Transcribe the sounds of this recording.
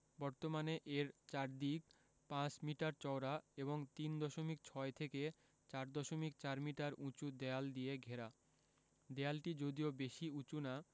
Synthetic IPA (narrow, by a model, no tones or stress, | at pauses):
bɔɾt̪omaneʔeɾt͡ɕaɾd̪ik | pãt͡ɕmiʈaɾt͡ɕɔwɾaeboŋt̪ind̪ɔʃomik̚t͡ɕʰɔet̪ʰeke | t͡ɕaɾd̪ɔʃomik̚t͡ɕaɾmiʈaɾʔũt͡ɕud̪eald̪ieɡʱeɾa | d̪ealʈid͡ʑod̪iobeʃiut͡ɕuna